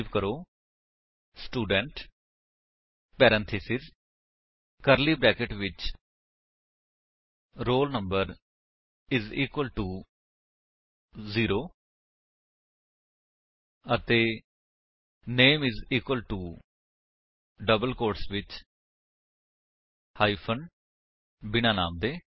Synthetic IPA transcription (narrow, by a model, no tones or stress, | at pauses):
ʋkəɾoː | sʈuːɖəɳʈ | pɛːɾə̃nt̪ʰɪsɪz | kəɾliːbɾɛːkɪʈʋɪt͡ʃ | ɾoːlnə̃mbəɾ | ɪziːkwəlʈuː | ziːɾoː | ət̪eː | neːmɪziːkwəlʈuː | ɖəbəlkoːɾʈsʋɪt͡ʃ | haːiːpʰən | bɪñaːna̰ːmd̪eː